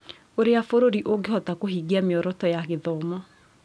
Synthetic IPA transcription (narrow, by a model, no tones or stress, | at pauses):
oɾeafoɾoɾiʔoɡehɔtakoɦiːɣiameɔɾɔtɔjaɣeðɔːmɔ